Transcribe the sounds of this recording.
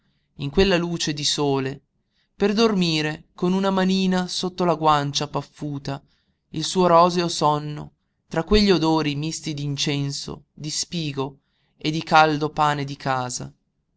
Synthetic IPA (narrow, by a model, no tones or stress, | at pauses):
iŋkwelːaluːt͡ʃed̪isoːle | perd̪ormiːɾekonunamaniːnasot̪ːolaɡwant͡ʃapafːuːt̪a | ilsuːoɾɔːzeosɔnːo̰ | t̪ɾakːweʎːiod̪oːɾimist̪id̪int͡ʃɛnso̰ | d̪ispiːɡo | ed̪ːikald̪opaːned̪ikʰaːza̰